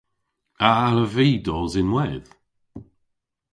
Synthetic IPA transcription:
aaləviːdɔːzɪnwɛð̥

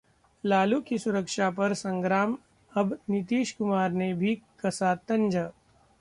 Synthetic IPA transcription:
laːlukisʊɾəkʃapɐɾsɐ̃ŋɡɾaːm | ɐbnɪt̪iːʃkʊmaːɾnebʱikɐsaːt̪ɐ̃ɲd͡ʒə

